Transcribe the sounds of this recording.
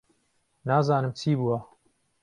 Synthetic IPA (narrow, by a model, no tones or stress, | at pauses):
naːzaːnɨmt͡ʃʰiːbuwɐ